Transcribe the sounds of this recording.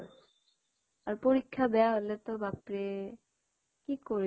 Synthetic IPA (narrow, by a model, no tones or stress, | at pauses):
aɾpoɾikʰːabɛaɦolet̪obʱapɾe | kikoɾ